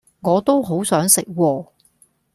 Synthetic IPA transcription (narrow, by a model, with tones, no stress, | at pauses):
ŋɔː˨˧t̪o˥wɦo˨˥wsœː˨˥ŋsɪ˨k̚wɔː˧